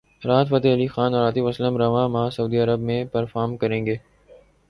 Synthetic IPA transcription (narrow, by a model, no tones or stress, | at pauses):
ɾaːt̪fət̪eɦəlixaːnɔɾaːt̪iʋəsləmɾɐʋãːmãːsɐuːd̪iːɐɾəbmẽpəɾfaːɾmkəɾẽːŋɡeː